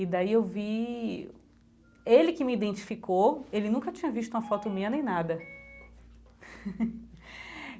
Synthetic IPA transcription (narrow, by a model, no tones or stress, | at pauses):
id̪aiewvi | elɪkɪmiid̪ẽnt͡ʃi̥fikʰoelɪnũkɐt͡ʃĩɲɐviʃ̬t̪ũɐfɔt̪ʊmĩɐnẽj̃nad̪ɐ